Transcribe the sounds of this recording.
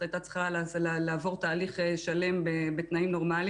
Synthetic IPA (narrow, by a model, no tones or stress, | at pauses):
ajt̪at͡sχalazlalaːvo̞ʁt̪aːliχeʃale̞mbebet̪naimno̞ʁmali